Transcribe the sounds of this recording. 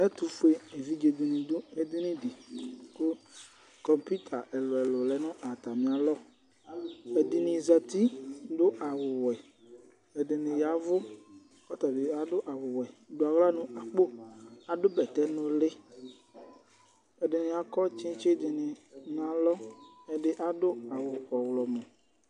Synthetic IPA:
ɛ˦t̪u˨fe˦e˨vi˦d͡ʒe˨d̪u˨nĩ˨d̪ʊ˦e˨d̪ɪ˦nĩ˦di˨ko˦ | kɔ˨mpi˦t̪ʰa˨ʔɛ˨lʊ˨ɛ˨lʊ˨lɛ˨˦nʊ̃˦ʔa˨t̪a˨mĩ˨a˨lɔ˦ | e˨d̪ɪ˨nɪ̃˨zɛ˨t̪i˦dʊ˦ʔa˨wʊ˨wɛ˨ | e˨ɖɪ˨nẽ˨ja˨vʊ˦ | kɔ˦t̪a˨be˨a˨dʊ˦ʔa˨wʊ˨wɛ˨do˨a˨ɣla˦nũ˦a˨k͡po˦a˨dʊ˦bɛ˨t̪ɛ˦nʊ̃˦le˦ | e˨dɪ˨nẽ˨ja˨kɔ˦t͡ʃĩ˦t͡ʃe˦d̪ɪ˨nɪ̃˨nã˨˦lɔ˦e˨ɖɪ˨ʔa˨ɖʊ˦a˨wʊ˨kɔ˨wlɔ˨mõ˨

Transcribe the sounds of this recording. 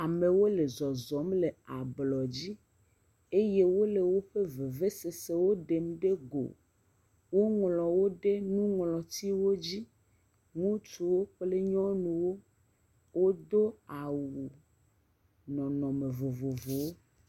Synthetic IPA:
a˨me˨wo˦le˨zɔ˨zɔ˨˦mle˨a˨blɔ˨d͡ʑi˦ | e˦je˦wo˦le˨wo˦ɸe˦ve˨ve˦se˨se˦wo˦ɖe˨m˦ɖe˦ɡo̰˨ | wo˦ŋlɔ˨wo˦ɖe˦nũ˦ŋlɔ˨t̪i˦wo˦d͡ʑi˦ | ŋũ˦t͡ʃu˨wo˦ɸle˦ɲɔ̃˦nũ˨wo˦ | wo˦d̪o˦a˨wu˨ | nɔ̃˨nɔ̃˨me˨vo˨vo˨vo˨wo˦

